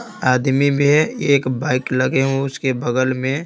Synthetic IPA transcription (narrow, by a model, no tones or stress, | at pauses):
aːd̪mibʱieːkbaːɪklɐɡeɦũʊskebɐɡəlmẽ